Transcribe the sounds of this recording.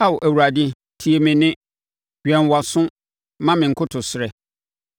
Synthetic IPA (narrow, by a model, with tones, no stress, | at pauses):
a˦˨wʊ˨ʔæ˨wu˨ɾa˨dĩ˦ | tʰi˨e˨mɪ̃˦nɪ̃˦ | ɥᶣɛ̃˨nwɔ˨sʊ̃˦ | mã˦mɪ̃˨ŋ̩˨kʰʊ˦tʰʊ˨sɪ˨ɾɛ˨